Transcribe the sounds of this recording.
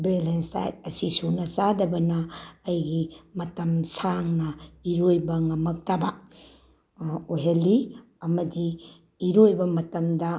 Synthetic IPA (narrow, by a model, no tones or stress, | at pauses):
belensta̰jt̚ɐsisunɐsadɐbɐnɐːjɡimɐtɐmsaŋnɐiɾojbɐŋɐmɐk̚tabɐ | oɦelːi | ɐmɐdiː | ɾojbɐmɐtɐmdɐ